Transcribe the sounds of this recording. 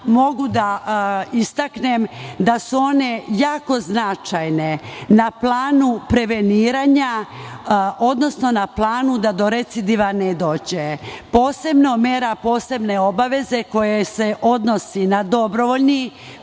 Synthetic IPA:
mo̞ɡud̪aist̪aknemd̪asuo̞ne̞jaːko̞znat͡ʃajne̞naplaːnupɾe̞ʋeniːɾaːɲa | o̞d̪no̞sno̞naplˠaːnud̪ad̪o̞ɾet̪sid̪iʋaned̪o̞ːd͡ʑepo̞ːse̞bno̞meːɾapo̞ːse̞bne̞o̞baʋe̞ze̞ko̞jese̞ʔo̞d̪no̞sinad̪o̞bɾoʋoʎni

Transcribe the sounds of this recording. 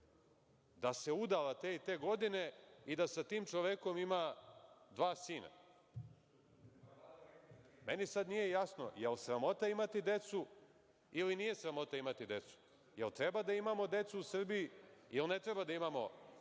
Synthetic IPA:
d̪ase̞ud̪alat̪eːit̪e̞ːɡo̞d̪ine̞id̪asat̪iːmt͡ʃoʋeko̞mimad̪ʋaːsiːna̰ | me̞nisad̪nije̞jasno̰jelsɾamo̞t̪aimat̪id̪e̞t̪su | ilinije̞sɾamo̞t̪aimat̪id̪e̞t̪su̥ | jelt̪ɾe̞bad̪aimamo̞d̪e̞t̪suusr̩bijiilne̞t̪ɾebad̪aimamo̞

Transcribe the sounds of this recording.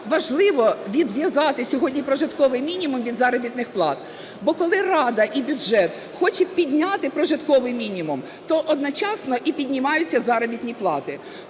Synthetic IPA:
ʋɐʒlˠɪʋɔʋʲid̪ʋʲjɐzɑt̪ɪsʲɔɦɔdʲnʲipɾɔʒɪt̪kɔʋɪjmʲinʲimʊmʋʲid̪zɑɾɔbʲit̪nɪxplˠɑt̪ | bɔkɔlˠɪrɑd̪ɐʔibʲʊʒɛt̪ | xɔt͡ʃɛpʲid̪ʲnʲat̪ɪpɾɔʒɪt̪kɔʋɪjmʲinʲimʊm | t̪ɔʔɔd̪nɔt͡ʃɑsnɔʔipʲid̪ʲnʲɪmɑjʊt͡sʲːɐzɑɾɔbʲit̪nʲiplˠɑ̰t̪ɪ

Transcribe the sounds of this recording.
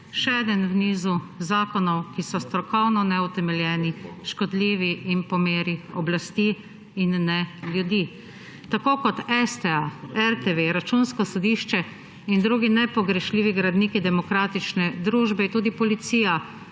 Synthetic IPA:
ʃɛɛːd̪ənwniːzu | zaːkɔnɔwkisɔst̪ɾɔkɔwnɔnɛut̪ɛmɛljɛːniʃkɔd̪liːʋiːnpɔmeːɾiɔblast̪iː | nːɛlʲjud̪iː | t̪akoːkɔt̪ɛst̪ɛaɛɾt̪eʋeɾat͡ʃunskɔsɔd̪iːʃt͡ʃɛ | ind̪ɾuːɡinɛpɔɡɾɛʃliːʋiɡɾad̪niːkid̪ɛmɔkɾaːt̪it͡ʃnɛd̪ɾuːʒbɛint̪uːd̪ipɔlit̪siːja

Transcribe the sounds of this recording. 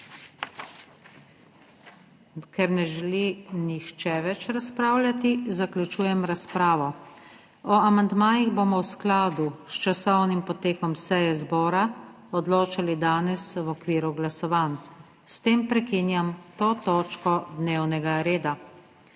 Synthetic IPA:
kɛɾnɛʒɛlinixt͡ʃɛʋɛt͡ʃɾaspɾaːwlʲjat̪izaklʲjut͡ʃuːjɛmɾaspɾaːʋɔ | ɔamand̪maːjiɣboːmɔwsklaːd̪ust͡ʃasɔwnimpɔt̪eːkɔmsɛjɛzbɔːɾa | ɔd̪loːt͡ʃalid̪aːnɛswɔkʋiːɾuɡlasɔʋaːn | st̪eːmpɾɛkinjamt̪oːt̪oːt͡ʃkɔd̪neːwnɛɡaɾeːd̪a

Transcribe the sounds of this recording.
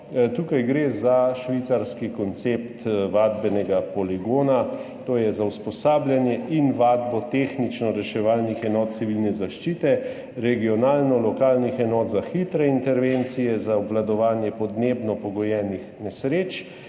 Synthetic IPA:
t̪uːkajɡɾeːzaʃʋit̪saɾskikɔnt̪sept̪ʋaːd̪bɛnɛɡapɔliɡoːna | t̪oːjɛzauspɔsaːblʲjanjɛʔinʋaːd̪bɔt̪exnit͡ʃnɔɾɛʃɛʋaːlnixɛnɔːt̪̚t̪siʋilnɛzaʃt͡ʃiːt̪ɛ | ɾɛɡiɔnaːlnɔlɔkaːlnixɛnɔːt̪zaxit̪ɾɛint̪ɛɾʋent̪sijɛzaɔbʋlad̪ɔʋaːnjɛpɔd̪neːbnɔpɔɡɔjɛːnixnɛsɾeːt͡ʃ

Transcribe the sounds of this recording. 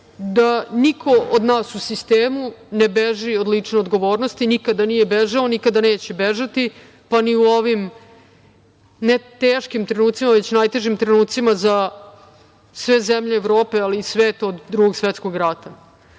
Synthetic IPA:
d̪anikʰo̞od̪naːsusist̪eːmunebeʒiod̪lit͡ʂne̞o̞d̪ɡo̞ʋo̞ːɾnost̪inikad̪anijebeʒaonikad̪aneːt͡ɕebeʒat̪i | paniuoʋim | net̪eːʃkimt̪ɾenuːt̪simaʋe̞t͡ɕnajt̪e̞ʒimt̪ɾenuːt̪simaza | sʋe̞zemʎeːʋɾoːpe̞aliːsʋeːt̪ood̪ːɾuɡoɡsʋet̪skoɡɾat̪a

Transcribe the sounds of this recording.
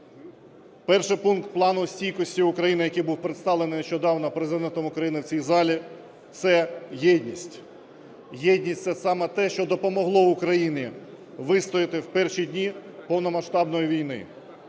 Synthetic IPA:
pɛrʃɪpunk̚t̪̚plˠɑnʊsʲtʲijkɔsʲtʲiʊkɾɐjinɪjɐkɪjbuwpɾet̪st̪ɑʋlˠenɪneʃt͡ʃɔd̪ɑwnɔpɾezɪd̪ɛnt̪ɔmʊkɾɐjinɪwt͡sʲijzɑlʲi | t̪sɛjɛd̪ʲnʲisʲtʲ | jɛdʲnʲisʲsɛsɑmɛt̪ɛʃt͡ʃɔd̪ɔpɔmɔɦlˠɔʊkɾɐjinʲi | ʋɪst̪ɔjɪt̪ɪwpɛrʃid̪ʲnʲipɔwnɔmɐʃt̪ɑbnɔjiʋʲijnɪ̰

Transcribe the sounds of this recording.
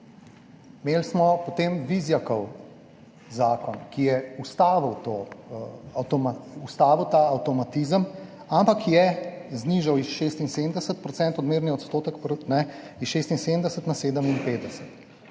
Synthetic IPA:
meːlsmɔpot̪eːmʋizjakɔw | zaːkɔnkijɛust̪aːʋiwt̪o | awt̪ɔmaust̪aːʋiwt̪aɐwt̪ɔmat̪izəm | ampakʰjɛzniʒawisʃeːst̪inseːmd̪əsət̪̚pɾɔtt͡s̪ɛnt̪ɔd̪meːɾniɔt̪st̪oːt̪əkpɾnɛisʃest̪insend̪əsət̪naseːd̪əminpeːd̪əsət̪

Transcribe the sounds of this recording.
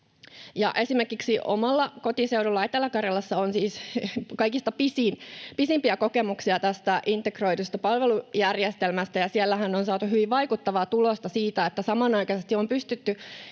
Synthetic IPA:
jɑ̰ʔe̞simerkiksiʔo̰mɑlːɑkot̪iseuɾulːɑit̪ːˑelːɑkɑrjɑlːɑsːɑonsiːskɑikist̪ɑpisinpisimpiækokemuksiɑt̪æst̪æʔint̪ːekro̞it̪ust̪ɑpɑlʋelujærjest̪elmæst̪æjɑsielːæhænːonsɑːt̪uhyʋiʋʋɑikut̪ːɑʋɑːt̪ulost̪ɑsiːt̪æet̪ːæsɑmɑnɑikɑsest̪iompyst̪yt̪ːy

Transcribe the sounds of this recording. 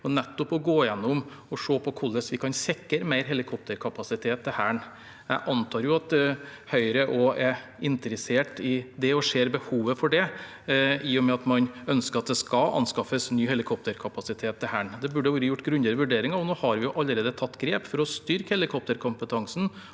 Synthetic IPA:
ɔnɛt̪ːɔpɔɡoːjɛnːʊm | ɔʂoːpʰɔkʰʊlːəsʋɪkʰɑnsɛkːəɾmæɪɾɦɛlɪkʰɔp̚t̪əɾkʰɑpɑsɪt̪ʰeːt̪ʰːɪhæːɳ | æʔɑnt̪ʰɑːɾjʊɑt̪̚d̪ɛhœʏɾəʔɔɛ | ɪnt̪əɾəseːʈɪd̪ɛɔʂeːɾbəhuːʋəfɔɖɛ | iːʊmɛɑt̪mɑnœnskəɾɑt̪̚d̪ɛskɑʔɑ̰nskɑfəsnyːhɛlɪkʰɔp̚t̪əɾkʰɑpɑsɪt̪ʰeːt̪ʰːɪhæːɳd̪ɛbʉɖːəʋuːɾəjʊʈːɡɾʉnd̪əd̪əʋʉɖeːɾɪŋɑɔnoːhɑɾʋɪjʊʔɑlːəɾeːd̪ət̪ʰɑt̪ːɡɾeːpfɔɾɔst̪ʏɾkhɛlɪkʰɔp̚t̪əɾkʰʊmpət̪ʰɑŋsn̩

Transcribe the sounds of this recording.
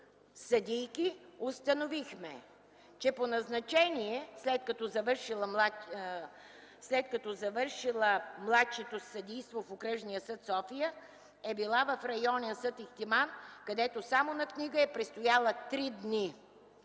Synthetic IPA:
sɐd̪ʲijkʲiost̪ənovixmɛ | t͡ʃɛponɐznɐt͡ʃɛniɛslɛt̪̚kɐt̪ɔzɐvəɾʃilˠəmˠa | slɛt̪̚kɐt̪ɔzɐvəɾʃilˠəmlˠat̪ʃɛt̪osɐd̪ijst̪vofokɾəʒnijəsət̪sɔfijə | ɛbilˠavɐfɾɐjɔnɛnsət̪ixt̪imankɐd̪ɛt̪osamonɐkniɡəɛpɾɛt̪st̪ojalˠət̪ɾid̪ni

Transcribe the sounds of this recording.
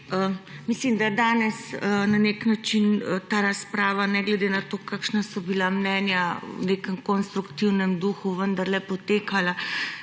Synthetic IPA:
ə | mislimd̪ad̪aːnɛsənaneknat͡ʃint̪aːɾaspɾaːʋanɛɡlɛd̪enat̪okakʃnasɔbilamnɛːnja̰nekəmkonst̪ɾukt̪iwnɛmd̪uːxuʋənd̪aɾlɛpɔt̪eːkala

